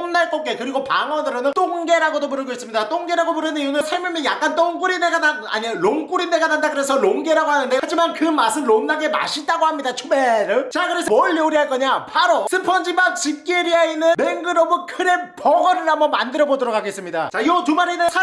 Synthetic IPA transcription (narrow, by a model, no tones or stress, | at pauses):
mnaɭk͈ok͈e̞kɯɾiɡopaŋʌnɯɾonɯnt͈oŋɡe̞ɾaɡodopuɾɯɭɡois͈ɯmɲidat͈oŋɡe̞ɾaɡopuɾɯnɯnijunɯnsʰeɭmjomjʌnjak͈̚ant͈oŋk͈uɾineɡanaa̰ɲiɾoŋk͈uɾineɡanandakɯɾe̞sʰʌɾoŋɡe̞ɾaɡohanɯnde̞ad͡ʑimankɯmas̬͈ɯmɾonnːaɡe̞ma̰ɕʰit͈aɡohamɲidat͡ɕʰumeɾɯt͡ɕakɯɾe̞sʰʌʌʎːeuɾiɦaɭk͈ʌɲapʰaɾosʰɯmpʰʌnd͡ʑimak̚t͡ɕip̚k͈ieɾiainːɯnmeŋɡɯɾʌbɯkʰɯɾe̞pʌɡʌɾɯɾamʌmandɯɾʌbodɯɾokʰaɡes͈ɯmɲidat͡ɕaijotumaɾinɯsʰa